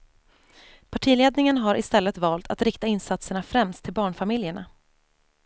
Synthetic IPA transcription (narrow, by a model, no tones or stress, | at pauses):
pʰaʈʰiːleːd̪nɪŋənɦaɾʔɪst̪ɛlːət̪vɑːlt̪ʰat̪ɾɪkt̪aɪnsat̪səɳafɾɛmst̪ʰːɪlbɑːɳfamɪljəɳa